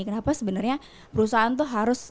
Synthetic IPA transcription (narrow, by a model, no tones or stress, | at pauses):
kənapasəbənərɲa | pəɾusaɦant̪̬ʊɦaɾʊs